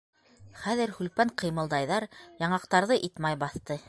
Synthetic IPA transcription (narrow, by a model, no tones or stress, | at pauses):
χæðɘ̆ɾhʉlpæɴqɤ̆jmɤ̆lˠd̪ɑjðɑɾjɑɴɑqt̪ɑɾðɤʔit̪mɑjbɑθt̪ɤ